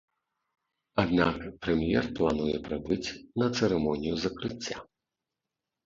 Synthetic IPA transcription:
ad̪nakpɾɛmjɛ̰rplˠanujɛpɾɛbɨt͡sʲnɐt̪sɛɾɛmɔnʲijuzɐkɾɨt͡sʲːa

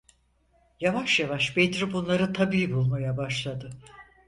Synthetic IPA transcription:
javaʃjavaʃbet̪ɾibunlˠaɾɯt̪ʰabiːbulˠmajabaʃlˠad̪ɯ

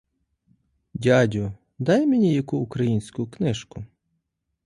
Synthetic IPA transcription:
dʲadʲʊ | d̪ɑjmʲenʲijɐkuːkɾɐjinʲsʲkʊknɪʃkʊ

